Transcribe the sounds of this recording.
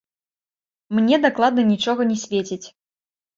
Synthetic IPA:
mnʲɛd̪aklˠad̪̚nɐnʲit͡ʂɔɣɐnʲɛsʲvʲet͡sʲit͡sʲ

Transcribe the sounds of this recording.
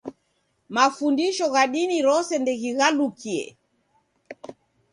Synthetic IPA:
mafundiʃɔɣaɗiniɾɔsɛndɛɣiɣalukiɛ̰

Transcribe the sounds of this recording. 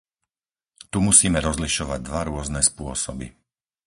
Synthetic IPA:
t̪umusiːmɛɾɔzliʃɔʋa̰ɟ̚d̪ʋaɾʊɔznɛspʊɔsɔbḭ

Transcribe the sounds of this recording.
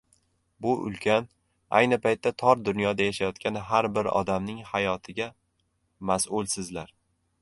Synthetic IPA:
bʊʔʊ̰lˠkʲʰan | a̰jnɪpʰajt̪ʰːat̪ʰɒɾd̪ʊnjɒd̪ajaʃajɒt̪kʲanɪɦaɾbɪɾɒ̰d̪amnɪŋhajɒt̪ʰɪɡʲa | masʊlˠsɪzlaɾ

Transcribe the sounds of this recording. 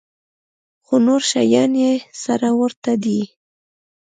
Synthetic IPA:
xonoɾʃajɑnjesaɾawəɾt̪ad̪i

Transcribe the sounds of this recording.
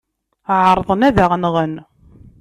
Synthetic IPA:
ʕəɾˤðˤənæðæʁnʁən

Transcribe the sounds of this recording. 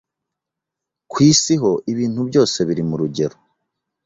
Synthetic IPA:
kwiːsiɦo̞ʔiβiːn̥hubɟo̞ːse̞βiɾimuɾuɟe̞ɾo

